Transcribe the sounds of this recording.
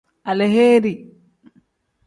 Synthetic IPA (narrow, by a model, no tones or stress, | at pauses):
alɛɦeːɾi